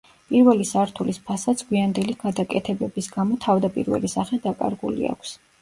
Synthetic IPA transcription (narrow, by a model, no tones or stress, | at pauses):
pʼiɾvɛlisaɾt̪ʰulispʰasat̪sʰɡwiand̪ɛliɡ̥ad̪akʼɛt̪ʰɛbɛbisɡamɔt̪ʰavd̪apʼḭɾvɛ̰lisaχɛd̪akʼa̰ɾɡṵlḭa̰kʷʰs